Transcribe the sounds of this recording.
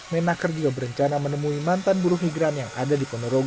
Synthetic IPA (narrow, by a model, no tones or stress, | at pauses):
menakərd͡ʒuɡabəɾəɲt͡ʃanamənəmuimant̪anbuɾʊhmiɡɾanjaŋa̰dadipɔnoɾoɡ